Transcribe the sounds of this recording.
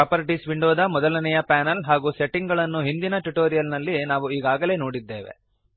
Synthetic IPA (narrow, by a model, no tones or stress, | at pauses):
pɾaːpɐɾiʈisʋiɳɖoːd̪ɐmɔd̪ɐlɐnɛjɐpaːnɐlɦaːɡuːseʈːiŋɡɐɭɐnːuɦind̪inɐʈuʈoːɾijɐlnɐlːinaːʋuiːɡaːɡɐle̞ːnoːɽid̪ːeːʋḛ